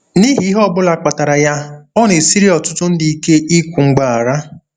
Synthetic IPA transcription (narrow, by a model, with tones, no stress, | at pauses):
ni˦ɦi˨i˦ɦɔ˦bʊ˦la˨k͡pa˨ta˨ɾa˨ja˦ɔ˦n˨e˨si˦ɾi˦ɔ˨tʊ˦tʊ˦n̩˦di˨i˦ke˦i˦kʷu˨ŋ͡m̩˨ɡ͡ba˨a˨ɾa˦